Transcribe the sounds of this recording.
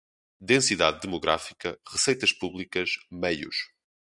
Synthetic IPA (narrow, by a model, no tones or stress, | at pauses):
d̪ẽsiðaðːɨmuɣɾa̰fikɐʁɨsejt̪ɐʃpuβlˠikɐʃmɐjṵʃ